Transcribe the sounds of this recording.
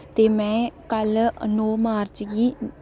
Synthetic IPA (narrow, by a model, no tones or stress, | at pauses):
t̪eːmɛ̃ːkəlnɔːmaːɾt͡ʃɡiː